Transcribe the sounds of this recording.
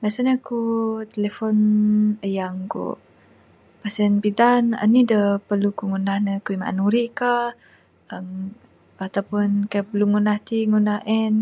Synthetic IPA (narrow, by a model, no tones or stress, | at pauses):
ɡasəɲakut̪elefɔnəjaŋkṵ | pasɛnpidanə̰nidəpəlukuŋunahnəkuima̰ʔa̰nuɾiʔka | əm | at̪awpʊnkajapəluŋunaht̪iŋunahʔɛn